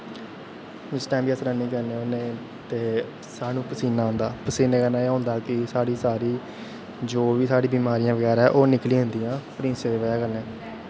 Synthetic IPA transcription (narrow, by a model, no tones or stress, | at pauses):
d͡ʒɪsʈɛ̃ːmbiːəsɾəniːkəɾneːʊneː | t̪eː | saːnũːpəsiːnaːɦʊ̃nd̪aːpəsiːneːkəɾnaːeːɦʊ̃ːnd̪aːkɪsaːɽiːsaːɾiː | d͡ʒoːʋiːsaːɽiːbiːmaːɾijãːʋəɡɛːɾaɛːʔoːnɪklĩːɦʊ̃nd̪ijãːpəɾɪ̃ːnseːʋeːʋəaːkəɾnɛː